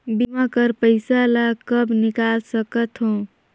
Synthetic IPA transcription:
bimakəɾpəɪsalakəbnikalsəkət̪ɦõ

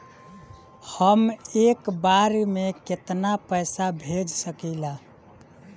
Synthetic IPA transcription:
həmekbaɾmeket̪napəɪsabʱed͡ʒsəkila

